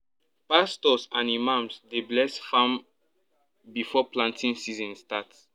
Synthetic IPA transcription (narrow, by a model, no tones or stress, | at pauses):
pastɔsãnimãmsdeblɛsfãm | bifɔplãntʰĩŋsizɔ̃nstat